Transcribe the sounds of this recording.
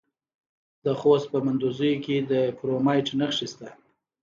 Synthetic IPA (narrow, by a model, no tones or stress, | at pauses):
d̪̥əxost̪̚pəmand̪uzəjoked̪əpɾomɑjʈnaxʂist̪a